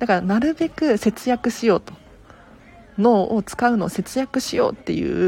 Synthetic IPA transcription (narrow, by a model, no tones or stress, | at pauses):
d̪akaɾanaɾɯ̟be̞kɯ̟se̞t͡sɨjakɯ̟ɕijo̞ːt̪o̞̥ | no̞ːot͡sɨ̥kaɯ̟no̞ːse̞t͡sɨjakɯ̟ɕijo̰ːt̪ːe̞̰jɯ̟̰ː